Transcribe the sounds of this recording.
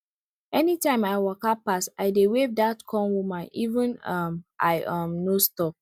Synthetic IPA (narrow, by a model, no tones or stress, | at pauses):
ɛnitãɪ̃maɪwɔkapasaɪdewevdatkʰɔ̃nwumaʔivə̃nʌmʔa̰ɪʔʌmnostɔk̚